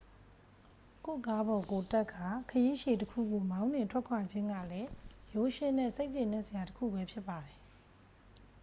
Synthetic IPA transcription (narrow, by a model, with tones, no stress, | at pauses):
ko̰˦˨ka˦bɔ˨ko˨ta˦kʰːa˦˨kʰəji˦ʃe˨təkʰṵ˦˨ɡo˨mã˦ʊ̃nɪ̃˨ntʰwɛ˦˨kʰwa˨d͡ʑɪ̃˦ŋɡä̰˦˨lɛ˦jo˨˦ʃɪ̃˦˨nɛ̰˦˨se˦ɪʔt͡ɕɪ̃˦˨nɛ˦ʔsə˨ja˨təkʰṵ˦˨bɛ˦pʰjɪ˦pːa˨di˨